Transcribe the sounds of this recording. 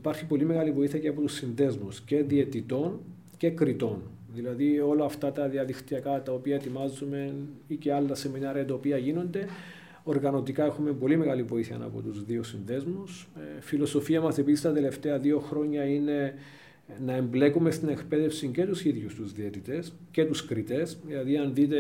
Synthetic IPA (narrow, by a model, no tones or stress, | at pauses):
ipɐɾçipo̞limeɣɐlivo̞iθiɐceɐpo̞t̪usːinðe̞zmusce̞ðie̞t̪it̪o̞n | ce̞kɾit̪o̞n | ðilɐðio̞lɐːft̪ɐt̪ɐðiɐðixt̪iɐkɐt̪ɐopiɐet̪imɐzume̞niceɐlːɐse̞minɐɾiɐt̪ɐopiɐʝino̞nd̪e̞ | o̞ɾɣɐno̞t̪ikɐe̞xume̞mbo̞lime̞ɣɐlivo̞iθiɐ̰nɐ̰po̰t̪uzðio̞sinðe̞zmusfilo̞so̞fiɐmɐse̞pisist̪ɐt̪e̞le̞ft̪e̞ɐðio̞xɾo̞ɲːɐine̞ | nɐe̞mble̞kume̞st̪ine̞kpe̞ðe̞fsiɲce̞t̪usiðʝust̪uzðiet̪it̪e̞s | ce̞t̪uskɾit̪e̞sðilɐðiɐnðit̪e